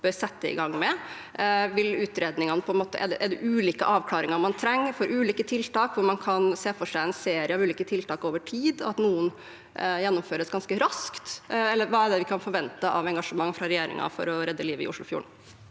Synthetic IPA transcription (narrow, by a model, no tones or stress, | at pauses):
b̥œɾsɛt̪ːəɪ̰ɡɑŋːmɛ | ʋɪlʉːt̪ɾeːd̪nɪŋɑnəpʰɔɛnmoːt̪ə̰ʔɛ̰d̪ʔɛd̪ɛʔʉːliːkəʔɑːʋkʰlɑːɾɪŋɑɾmɑnt̪ʰɾɛŋːfɔɾʔʉːliːkət̪ʰɪlt̪ɑːkʋʊɾmɑnkʰɑnseːfɔʂæɪɛnseːɾɪəɑʋʉːliːkət̪ʰɪlt̪ʰɑːkoːʋəʈʰiːd̪ɔɑt̪nuːən | jɛnːʊmføːɾəsɡɑnskəɾɑskt̪ɛlːəɾʋɑːæɖ̪ɛʋɪkʰɑnfɔɾʋɛnt̪əʔɑʋɛŋɡɑʂəmɑŋːfɾɑɾɛjeːɾɪ̰ŋɑ̰fɔ̰ɾɔɾɛd̪ːəliːʋəɪ̰ʔʊʂɭʊfjṵːɳ̩